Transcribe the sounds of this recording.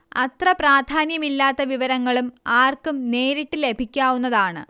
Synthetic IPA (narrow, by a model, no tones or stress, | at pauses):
ɐ̰t̪rɐpraːd̪ʱaːnjɐmilːaːt̪ːɐʋiʋɐɾɐŋːɐɭumaːrkumne̞ːɾiʈːɨle̞bʱikʲːaːwunːɐðaːɳɨ̰